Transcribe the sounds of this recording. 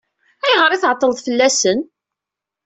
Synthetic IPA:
æjʁəɾˤiθʕət̪ˤːələðˤfəlːæsən

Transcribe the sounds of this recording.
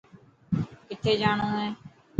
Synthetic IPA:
kɪt̪ʰːeːd͡ʒaːɳõːɦeː

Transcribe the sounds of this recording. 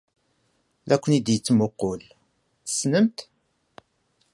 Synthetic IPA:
ðækʷːənid̪jət͡sːmʊqːol | θə̥snəmt̪

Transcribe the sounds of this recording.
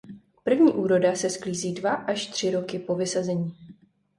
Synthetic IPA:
pr̩vɲiːʔuːɾo̞dasɛskliːziːdvaʔaʃt̪r̝̥ɪɾo̞kɪpo̞vɪsazɛɲiː

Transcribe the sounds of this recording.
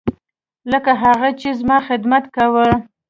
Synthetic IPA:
ləkaɦaɣat͡ʃezmɑxɪd̪mat̪kawə

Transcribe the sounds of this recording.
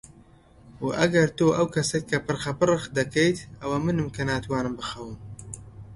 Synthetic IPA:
waʔɐɡɐɾt̪oːʔɐwkʰɐsekʰːɐpɨrxɐpɨrɨxd̪ɐkejt̪ɐwɐmɨnɨmkɐnaːt̪ʰwɑːnɨmbɨxɐwɨm

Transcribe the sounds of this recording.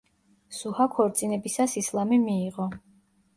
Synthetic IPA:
suhakʰɔɾt̪sʼinɛbisasislˠamimiːʁɔ

